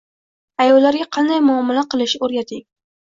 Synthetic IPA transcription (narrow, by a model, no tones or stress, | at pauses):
ajɒwlaɾɡʲaqʰɑnd̪ajmʊamːalaqɨlˠɪʃoɾjat̪ʰɪŋʲ